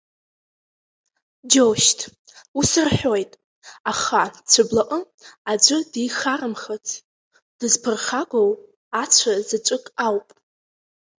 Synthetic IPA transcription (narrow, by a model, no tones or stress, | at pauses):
d͡ʒoʃtʰ | usɨrħʷᶣo̞jtʼ | aχat͡sʷʰɨblaʔʼə | ad͡ʒʷɨdijχarɨmχat͡sʰʼ | d̥ɨzpʰɨrχaɡʷow | at͡ʃʷʰazat͡ʃʷʼɨkʼawpʼ